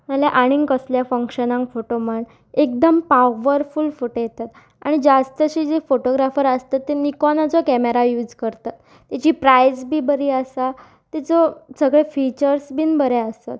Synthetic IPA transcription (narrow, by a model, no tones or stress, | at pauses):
məljaʔaɽ̃iŋkəsljafə̃ŋkɕənãŋkfoʈoməɳ | ek̚d̪əmpaʋəɾfulfuʈojet̪at̪ | a̰ɽ̃id͡ʑast̪əɕiːd͡zefoʈoɡɾafəɾəst̪at̪ːenikɔnat͡sɔkɛmeɾajuːd͡zkəɾt̪at̪ːat͡ɕiːpɾajzbʱiːbəɾiːəsa | t̪it͡sɔsəɡɭefit͡ɕəɾsbʱiːnbəɾeəst̪at̪